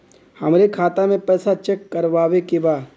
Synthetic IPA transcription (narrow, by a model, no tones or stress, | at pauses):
hɐmɾekʰaːt̪amẽpɛːsat͡ʃɛkːəɾʋaːʋekebaːd̪